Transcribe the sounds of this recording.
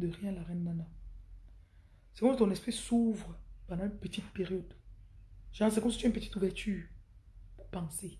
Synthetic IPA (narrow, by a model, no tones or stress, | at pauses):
d̪əʁjɛ̃laʁɛnːana | sɛkɔmst̪ɔ̃nɛspχisuvʁəpɑ̃d̪ɑ̃ynpət̪it̪̚peʁjɔd̪ | ʒɑ̃s̬ɛkɔmsit̪yɛynp̬ət̪i̥t̪uvɛʁt̪yː | puʁpɑ̃se